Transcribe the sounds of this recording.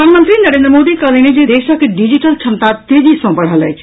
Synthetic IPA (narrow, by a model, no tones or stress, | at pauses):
anmənt̪ɾinəɾẽːndɾəmod̪ikəlened͡ʒed̪eːʃɔkeɖid͡ʒiʈəlt͡ʃʰɐnt̪at̪ed͡ʒisɔ̃pəɽ̤ɦəlɦɛ̰̥